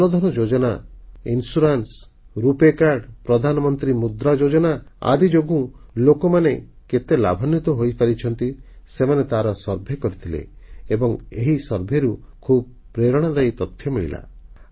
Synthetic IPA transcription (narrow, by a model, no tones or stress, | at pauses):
nɔd̪ʱɔñɔd͡ʒod͡ʒɔnainsuɾans | ɾupekaɾɖpɾɔd̪ʱanɔmɔnt̪ɾimud̪ɾad͡ʒod͡ʒɔnaa̰d̪id͡ʒoɡũlokɔmaneket̪ela̰bʱɔnːit̪ɔɦojpaɾit͡ʃʰɔnt̪isemanet̪aɾɔsɔɾbʱekɔɾit̪ʰilḛːbɔŋeɦisɔɾbʱeɾu | kʰub̚ | pɾeɾɔɽ̃ad̪ajt̪ɔt̪ʰjɔmiɭḭla̰